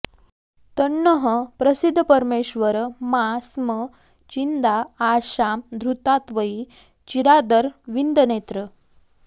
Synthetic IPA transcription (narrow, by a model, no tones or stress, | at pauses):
t̪əɳːəɦəpɾəsid̪ʱːəpəɾmeɕʋəɾmasmə | t͡ɕind̪ʱaːɕamd̪ʱɾut̪at̪ʋəi | t͡ɕiɾad̪əɾʋind̪ənet̪ɾə